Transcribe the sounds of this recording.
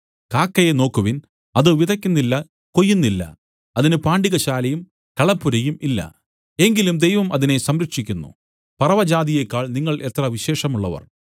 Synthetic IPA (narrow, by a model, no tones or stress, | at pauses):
kaːkːɐjeno̞ːkːuʋin | ɐðɨʋid̪ʱɐkʲːunːilːɐ | ko̞jːunːilːɐ̰ | ɐðinɨpaːɳɖiɣɐɕaːlɐjum | kɐɭɐpːuɾɐjumilːɐ̰ | e̞ŋɡilumd̪ejʋɐmʔɐðine̞sɐmɾɐkʂikʲːunːṵ | pɐrɐʋɐd͡ʑaːd̪ijekːaːɭniŋːɐɭʔe̞t̪rɐʋiɕe̞ːʂɐmuɭːɐʋɐ̰r